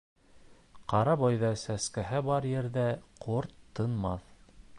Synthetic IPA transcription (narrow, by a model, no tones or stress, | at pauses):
qɑɾɑbɑjðɑsæskæɦæbɑɾjɘ̆ɾðæqʰoɾt̪ʰːɤ̆nmɑθ